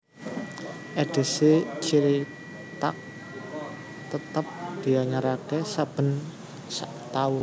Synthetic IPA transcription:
ʔeɖ̥i̤set͡ʃiɾi | t̪a̰ʔ̚ | t̪ət̪əp̚d̪̥i̤aɲaɾakɛsab̥ə̤n | saʔt̪aʊ

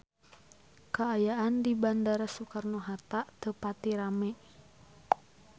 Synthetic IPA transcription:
kaːjaandibandaɾasukarnoɦat̪aʔt̪əpat̪iɾamɛ

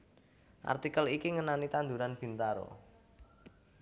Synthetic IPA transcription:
ʔa̰rt̪ikəlikiŋənanit̪and̪uɾanb̥i̤nt̪aɾo̰

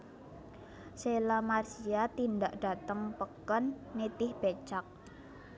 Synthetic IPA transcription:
selamarsiat̪indaʔɖ̥a̤t̪əŋpəkɔnːet̪ɪhb̥et͡ʃak̚

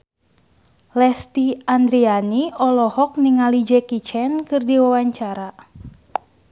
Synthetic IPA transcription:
lɛst̪iand̪ɾianiɔlɔhɔk̚niŋalid͡ʒɛkit͡ʃɛnkɨrdiwawaɲt͡ʃaɾa

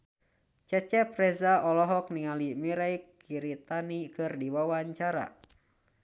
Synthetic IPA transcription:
t͡ʃɛt͡ʃɛpɾɛzaɔlɔɦɔk̚niŋalimiɾaikː | iɾit̪anikɨrdiwawaɲt͡ʃaɾa̰

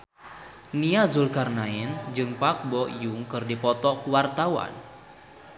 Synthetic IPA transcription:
niazulkarnaɛnd͡ʒɨŋpak̚bɔʔjuŋkɨrdipɔt̪ɔkuwart̪awa̰n

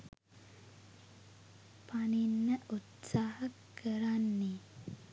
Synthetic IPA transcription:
paninːəʔut̪saːhakːəɾanːe

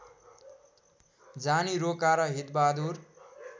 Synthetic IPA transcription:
d͡zaniɾokaɾʌɦit̪̚bad̪ʱur

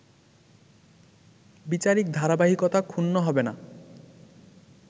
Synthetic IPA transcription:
bit͡ɕaɾik̚d̪ʱaɾabaɦikot̪akʰunːoɦɔbena

